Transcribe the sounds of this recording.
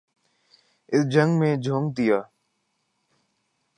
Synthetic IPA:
ɪsd͡ʒə̃ŋɡmẽːd͡ʒʱõːŋɡ̚t̪ɪjaː

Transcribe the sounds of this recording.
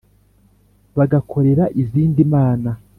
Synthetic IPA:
βaɡakʰo̞ɾe̞ɾaʔiziːndimaːna

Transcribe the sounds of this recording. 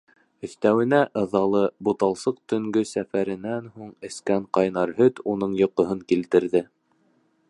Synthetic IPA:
ɵ̆θt̪æwɘ̆næʔɤ̆ðɑlˠɤbut̪ɑlˠsɤq̚t̪ɵ̆ŋɡɵsæfæɾɘ̆nænhuɴɘ̆skæɴqɑjnɑɾɦɵt̪unɤɴjŏqŏɦɤŋkilt̪ɘ̆ɾðɘ

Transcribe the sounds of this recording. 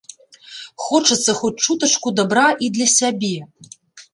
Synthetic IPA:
xɔt͡ʂɐt̪sːɐxɔt͡s̚ʲt͡ʂut̪ɐt͡ʂkud̪abɾaʔid̪lʲɐsʲabʲɛ

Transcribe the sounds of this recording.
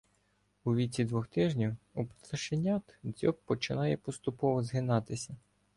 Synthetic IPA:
uʋʲit͡sʲid̪ʋɔxt̪ɪʒnʲiwup̪ɐʃenʲat̪d͡zʲɔppːɔt͡ʃɪnɑjɛpɔst̪ʊpɔʋɔzɦɪnɑt̪ɪsʲɐ

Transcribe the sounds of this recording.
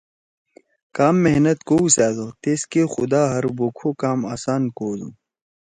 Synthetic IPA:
kaːmːeɦnɐt̪kousaːzot̪eːskexʊ̰d̪aːɦɐɾboːkʰoːkaːmaːsaːnkoːzṵ̃ː

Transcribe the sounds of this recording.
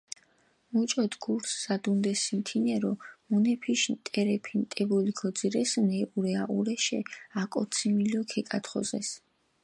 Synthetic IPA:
mut͡ʃʼɔd̪ɡuɾsːad̪und̪ɛsimt̪ʰinɛɾɔmunɛpʰiʃnt̪ʼɛɾɛpʰint̪ʼɛbulikʰɔd̪ziɾɛsnɛʔuɾɛaʔuɾɛʃɛ̰akʼɔt̪sʰimilɔkʰɛkʼat̪ʰχɔ̰zɛ̰s

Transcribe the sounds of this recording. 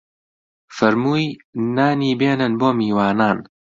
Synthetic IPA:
fɐɾmuːjnaːniːbeːnɨnboːmiːwaːnaːn

